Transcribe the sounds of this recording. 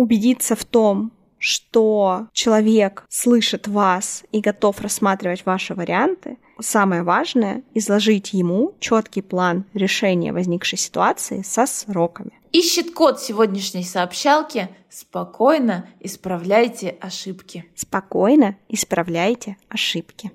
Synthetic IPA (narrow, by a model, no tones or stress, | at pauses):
ʊbʲɪdʲit̪səft̪o̞m | ʂt̪ot͡ɕɪlˠɐvʲe̞kslˠɨʂɨt̪vasiɡɐt̪o̞frɐsːmat̪ɾʲɪvətʲvaʂɨvəɾʲɪant̪ɨ | saməjəvaʐnəjə̰ɪzlˠɐʐɨtʲjɪmut͡ɕo̞t̪kʲɪjplˠanɾʲɪʂɛnʲɪ̰jə̰vɐzʲnʲikʂɨjsʲɪ̥t̪ʊat̪sɨɪsɐsro̞kəmʲɪ | iɕːɪt̪kot̪sʲɪvodʲnʲɪʂnʲəjsəːpɕːalˠkʲɪ | spɐkʰo̞jnəɪspɾɐvlʲæjtʲɪʔɐʂɨpkʲɪspɐko̞jnəɪspɾɐvlʲæjtʲɪɐʂɨpkʲɪ